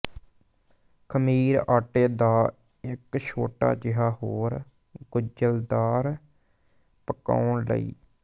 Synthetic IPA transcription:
kʰəmiːɾaːʈeːd̪aː | ɪkʃʰoːʈa̰ːd͡ʒɪɦaːɦoːɾ | ɡʊd͡ʒəld̪aːɾ | pəka̰ːʊɳlə̰ḭː

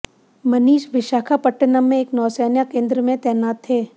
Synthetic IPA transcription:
mɐniːʃʋɪʃaːkʰapɐʈːənəmːẽeːknɔːseːnjakẽːnd̪ɾəmẽt̪ɛːnaːt̪ʰːeː

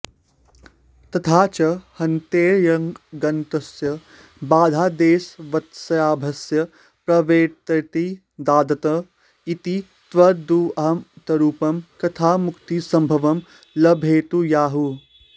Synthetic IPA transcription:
t̪ɐt̪ʰaːt͡ʃɐhɐnt̪eːɾjɐŋɡɐnt̪ɐsjɐ | baːd̪ʱaːd̪eːsʋɐt̪sɐjaːbʱɐsjɐ | pɾɐʋeːt̪ɐt̪i | d̪aːd̪ɐt̪ɐ | it̪i | t̪ʋɐd̪uɐɦɐmt̪ɐɾuːpɐmkɐt̪ʰaːmukt̪isɐ̃mbʱɐʋɐm | lɐbʱeːt̪ujaːɦu

